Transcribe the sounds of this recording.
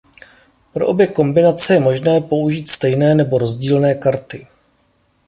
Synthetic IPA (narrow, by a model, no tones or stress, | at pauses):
pɾo̞ʔo̞bjɛko̞mbɪnat͡sɛjɛmo̞ʒnɛːpo̞uʒiːt̪st̪ɛjnɛːnɛbo̞ɾo̞zɟiːlnɛːkaɾt̪ɪ